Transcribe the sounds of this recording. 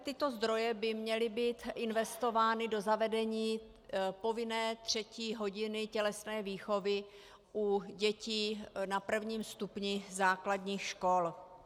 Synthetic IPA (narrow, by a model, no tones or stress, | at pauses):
t̪ɪt̪o̞zd̪ɾo̞jɛbɪmɲɛlɪbiːt̪ʔɪnvɛst̪o̞vaːnɪdo̞zavɛdɛɲiː | po̞vɪnɛːt̪r̝̥ɛciːɦo̞ɟɪnɪcɛlɛsnɛːviːxo̞vɪ | ʔuɟɛciːnapr̩vɲiːmst̪upɲɪzaːkladɲiːxʃko̞l